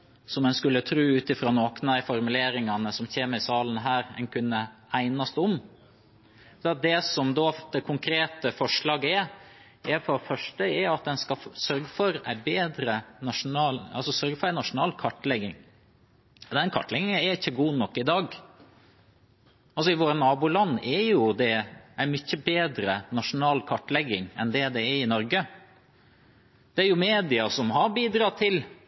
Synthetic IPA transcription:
sɔmɛnskʉlːət̪ʰɾʉːʉːt̪ɪfɾɑːnoːknɑɪfɔɾmʉleːɾɪŋɑnəsɔmçeːməɾɪsɑːlən̩ɦæːɾɛ̰nkʰʉnːəæɪnɑst̪ɔm | d̪ɛɑt̪̚d̪ɛsɔmd̪oːd̪ɛkʰʊŋkʰɾeːt̪əfɔʂɭɑːɡəɛɾ | ɛɾfɔɾfœʂʈəɛɾɑt̪̚d̪ɛnskɑsœɾɡfɔɾæ̰ɪbeːd̪ɾənɑʂʊnɑːlɑ̰lsɔsœɾɡəfɔɾæɪnɑʂʊnɑːlkʰɑʈːlɛɡːɪŋ | d̪ɛnkʰɑ̰ʈlɛɡɪŋɛɾɪçːəɡuːnɔkːɪd̪ɑːɡ | ɑlsɔɪʋoːɾənɑːbuːlɑnːɛjʊd̪ɛʔæɪmʏçːəbeːd̪ɾənɑʂʊnɑːlkʰɑʈːlɛɡːɪŋɛnd̪ɛd̪ɛːɪnɔɾɡə | d̪̥ɛæɾjʊmeːd̪ɪɑsɔmɦɑɾbiːd̪ɾɑːt̪ʰɪl

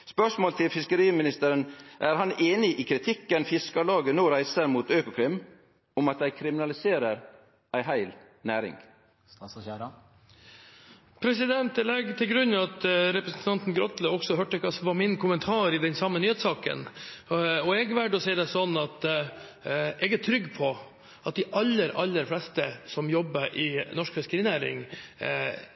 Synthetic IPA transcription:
spœʂmoːlt̪ʰɪlfɪskəɾiːmɪnɪst̪əɾənʔæɾhɑneːnɪʔɪkʰɾɪt̪ʰɪkːənfɪskɑlɑːɡənoːɾæɪsəɾmuːt̪øːkʊkʰɾɪmː | ʊmɑt̪̚d̪æɪkʰɾɪmɪnɑlɪseːɾəɾ | ʔæɪɦæɪl | næːɾɪ̰ŋ | pʰɾɛsɪd̪ɛnt̪ɛlɛɡt̪ʰɪlɡɾʉnːɑt̪ɾɛpɾəsnt̪ʰɑnt̪n̩ɡɾɔt̪ləɔksɔɦœːʈːəkʰɑsɔʋɑmɪnkʰʊmənt̪ʰɑːɾɪd̪ɛnsɑmːənyːheːt̪sɑːkə̰n | ɔɛɡʋæɖɔsɛɪd̪ɛsɔnːɑt̪ | ɛɡæʈ̪ʰɾʏɡːpʰɔ | ʔɑt̪̚d̪ɛʔɑlːəɾɑlːəɾflɛst̪əsɔmjɔbːəʔɪnɔʂkfɛskəɾiːnæːɾɪ̰ŋ

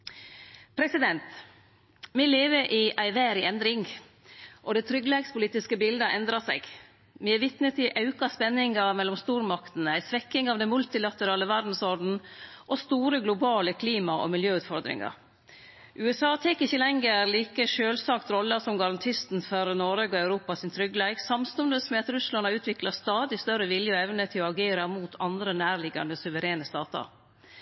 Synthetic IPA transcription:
pʰɾɛsɪd̪ɛnt̪ | mɛleːʋəɾʔɪʔæɪʋæːɾɪɛnd̪ɾɪŋ | ʔɔd̪ɛɪt̪ʰɾʏɡlɛːɡspʊliːt̪ɪskəbɪld̪əʔɛnd̪ɾɑsɛ̰ɪɡ | mɛɛʋɪt̪nət̪ɪʔɑʉkɑspɛnːɪŋɑmɛlːɔmst̪uːɾmɑkt̪n̩æɪsʋɛkːɪŋɑʋd̪ɛnmʉlt̪ɪlɑt̪əɾɑːləʋæɾd̪n̩sɔɖn̩ʔɔst̪uːɾəɡlʊbɑːləkʰliːmɑʔɔ̰mɪljøːʉːt̪fɔɾd̪ɾɪ̰ŋɑ̰ɾ | ʔʉːɛsɑːt̪ʰɛkɪçəlɛŋːəɾliːkəʂøːlsɑkt̪ɾɔlːəsɔmɡɑɾɑnt̪ʰɪst̪n̩fœɾnoɾɑɡɔæʉɾuːpɑsɪnt̪ʰɾʏɡəleːɡsɑmst̪ʊnd̪əsmɛːɑt̪ɾʉslɑnɑʉːt̪ʰʋɪklɑst̪ɑːd̪ɪst̪œɾəʋɪljəɔɛʋnət̪ʰɪlɔɑɡeːɾɑmuːt̪ʰɑnd̪ɾənæːɾɭɪɡɑ̰nd̪əsʉʋəɾeːnəst̪ɑːt̪ɑ̰ɾ

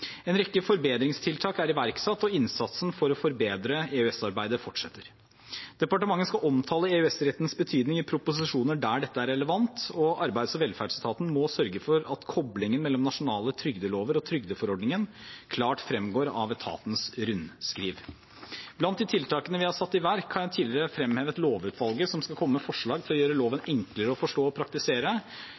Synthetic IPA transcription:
ɛnɾɛkːəfɔɾbeːd̪ɾɪŋst̪ʰɪlt̪ʰɑːkæɾɪʋæɾksɑt̪ːɔɪnsɑt̪sn̩fɔɾɔfɔɾbeːd̪ɾəeʉɛsɑɾbæɪd̪əfɔʈʂɛt̪ːəɾ | d̪̥ɛpɑʈəmɑŋːənskɑʔɔmt̪ʰɑːləeːʉɛsɾɛt̪ːn̩sbət̪ʰyːd̪nɪŋɪpʰɾʊpʊsɪʂuːnəɖæːɖɛt̪ːəæɾɛləʋɑnt̪ɔʔɑɾbæɪd̪sɔʋɛlfæːɖst̪ʰɑːt̪n̩mɔsœɾɡəfɔɾɑt̪kʰɔblɪŋənmɛlːɔmnɑʂʊnɑːlət̪ʰɾʏɡd̪əloːʋəɾɔt̪ʰɾʏɡd̪əfɔɾɔɖnɪŋənkʰlɑːʈfɾɛmɡoːɾɑ̰ʋɛt̪ʰɑ̰ːt̪nsɾʉnskɾiːʋ | blɑnt̪̚d̪ɪt̪ʰɪlt̪ʰɑːkənəʋɪhɑsɑt̪ːɪʋæɾkʰɑnjæɪt̪ʰiːlɪɾəfɾɛmheːʋət̪loːʋʉːt̪ʰʋɑlˠɡəsɔmskɑlkʰɔmːəmɛfɔʂɭɑːɡ̪̚ʰɪlɔjøːɾəloːʋənɛŋkləɾəɔfɔʂʈoːɔpʰɾɑk̚t̪ɪseːɾə

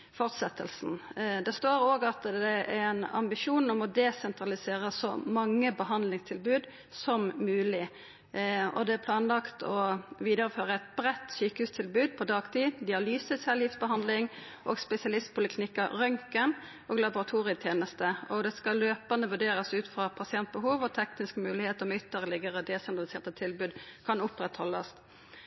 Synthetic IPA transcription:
fɔʁt̪sɛt̪ʰːəlsnd̪ɛst̪oːɾoːɡɑt̪ɛæɾɛnɑ̰mbɪʃuːnɔmɔd̪ɛsɛnt̪ʁɑlɪseːɾəsɔ̰mɑŋːəbəɦɑnd̪lɪŋst̪ʰɪlbʉːd̪ | sɔmmʉːlɪ | ɔd̪ɛæpʰlɑːnlɑkt̪ʰɔʋiːd̪əɾəføːʁəɛt̪bɾɛt̪ːsyːkəhʉːst̪ʰɪlbʉːd̪̚pʰɔd̪ɑːɡt̪ʰiːd̪ɪɑlyːsəsɛljɪfsbəɦɑnd̪lɪŋ | ʔoːɡspɛsɪɑlɪst̪̚pʰʊləkʰnɪkːəʁœŋkən | ʔoːɡlɑbʊʁɑt̪ʰuːʁɪət̪ʰjeːnəst̪əɔd̪ɛskɑløːpənəʋʉʁɖeːɾəsʉːt̪fʁɑpʰɑsɪɛnt̪̚bəhuːʋɔt̪ʰɛknɪskmʉːlɪheːt̪ɔmɛʏt̪ːəʁlɪɡəʁəd̪eːsɛnd̪ʁɑlɪseːʁt̪ət̪ʰɪlbʉːd̪kʰɑnʊpʁɛt̪hɔlːɑ̰s

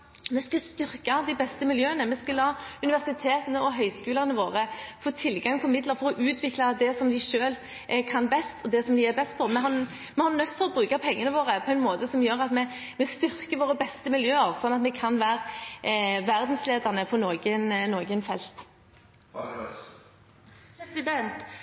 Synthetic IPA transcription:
mɛskɑst̪ʏʁkɑd̪ɪbɛst̪əmɪljøːənəmɛskɑlɑːʉnɪʋæʁsɪt̪ʰeːt̪ənəɔɦœʏskʉːləʁnəʋoːʁəfoːt̪ʰɪlɡɑŋpʰɔmɪd̪ləʁfɔɾɔʔʉːt̪ʰʋɪklɑd̪ɛsɔmd̪ɪʃøːl | ʔkʰɑnbɛst̪ʰɔd̪ɛsɔmd̪ɪæbɛst̪̚pʰɔmɛɦɑ | mɛhɑnœt̪ːfɔʁɔbɾʉːkɑpʰɛŋːənəʋoːʁəpʰɔɛɪnmoːt̪əsɔmjøːɾɑt̪mɛ | mɛst̪ʏʁkəʋoːʁəbɛst̪əmɪljøːəʁsɔnːɑt̪mɛkʰɑnʋæːɾ | ʋæʁd̪n̩sleːd̪ɑʁnəpʰɔnoːɡənnoːɡənfɛlt̪ | d̪ɛnt̪

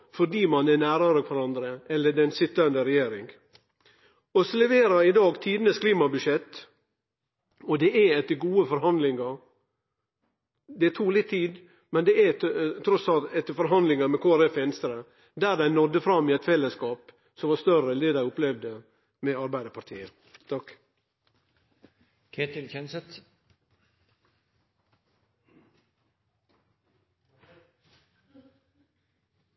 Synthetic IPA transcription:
fɔɖiːmɑnænæːɾɑɾəkʰʋæɾɑnd̪ɾəɛlːəɖɛnsɪt̪ːɑnd̪əɾɛjeːɾɪŋ | ɔsɔlɛʋeːɾɑɾɪd̪ɑːɡt̪ʰiːd̪nəskʰliːmɑbʉʂɛt̪ː | ɔd̪ɛʔæɛt̪ːəɾɡuːəfɔɾɦɑnd̪lɪŋɑɾ | d̪ɛt̪ʰuːlɪt̪ʰːiːd̪ | mɛnd̪ɛæt̪ʰɾɔsɑlt̪ɛt̪ːəɾfɔɾɦɑnd̪lɪŋɑmɛkʰoːæɾɛfɛnst̪ɾə | d̪æːd̪æɪnɔd̪əfɾɑmːiɛt̪fɛlːəskɑːp | sɔmʋɑːst̪œɾəleːd̪æɪʊplɛʋd̪ə | mɛɑɾbæɪd̪əɾpʰɑɾt̪ʰiːə | t̪ʰɑk | kʰet̪ɪnçɛnsət̪

